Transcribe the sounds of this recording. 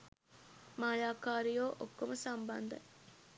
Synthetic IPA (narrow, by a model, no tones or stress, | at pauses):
maːjaːkaːɾijoːʔokːomusɐmbɐ̰nd̪ɐ̰